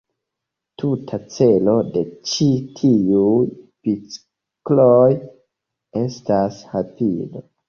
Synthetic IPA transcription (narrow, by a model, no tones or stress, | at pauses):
tʰutʰat͡se̞lo̞de̞t͡ʃitʰiujpit͡s | kloj | e̞stashapḭdo